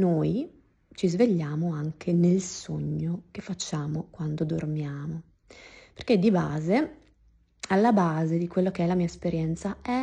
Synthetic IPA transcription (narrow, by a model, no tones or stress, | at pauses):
noːj | t͡ʃizveʎːaːmoaŋkʰenelsoɲːokefːat͡ʃːaːmokwand̪od̪ormjaːmo | perked̪ibaːze | alːabaːzed̪ikwelːokeɛlamiːaespeɾjɛnt̪saɛ